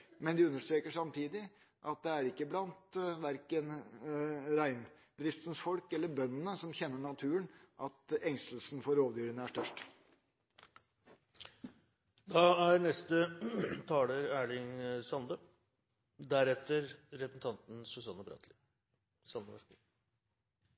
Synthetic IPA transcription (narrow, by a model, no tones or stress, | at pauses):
mɛnd̪ɪʉnːəʂt̪ɾeːkəʂɑmt̪ʰiːd̪ɪ | ʔɑt̪̚d̪ɛæɾɪkːəblɑnt̪ʋæɾkən | ɾæɪn | d̪ɾɪft̪n̩sfɔlkɛlːəɾbœnːənəsɔmçɛnːəɳɑt̪ʰʉːənʔɑt̪ɛŋst̪əl̩sn̩fɔɾoːʋd̪jyːɾənæʂʈœʂʈ | d̪ɑæɾnɛst̪ət̪ʰɑːləɾæːɭɪŋsɑnd̪ə | d̪æɾɛt̪ːəɾɾɛsn̩t̪ʰɑnt̪n̩sʉsɑnːəbɾɑ̰ːt̪ʰlɪ | sɑnd̪əʋɛs